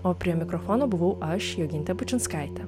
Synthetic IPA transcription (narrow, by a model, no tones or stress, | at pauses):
oːpʲɾʲiɛmʲɪkɾɔfɔnobʊʋɐʊʔɐʃjɛɡʲɪnʲt̪ʲɛpʊt͡ʃʲɪnskaɪt̪ʲɛ